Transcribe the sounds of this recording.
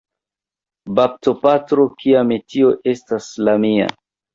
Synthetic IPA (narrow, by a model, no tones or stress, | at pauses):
bap̚to̞patɾo̞kiametio̞ʔe̞staslamia̰